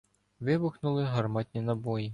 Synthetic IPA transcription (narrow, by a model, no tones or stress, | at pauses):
ʋɪbʊxnʊlˠɪɦɐrmɑt̪ʲnʲinɐbɔji